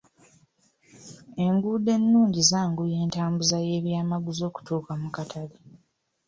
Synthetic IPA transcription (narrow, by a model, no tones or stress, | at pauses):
e̞ŋɡude̞nːuːɲɟizaːŋɡuje̞ːntaːmbuzaje̞ːβjaːmaɡuzo̞ːku̥tuːkamukatʰali